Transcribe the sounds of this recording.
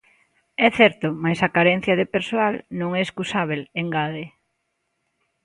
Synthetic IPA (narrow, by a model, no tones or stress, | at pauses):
ɛθɛɾt̪ʊmajsɐkaɾɛn̟θjɐðepeɾsoalnõŋɛeskusaβ̞eleŋɡaðe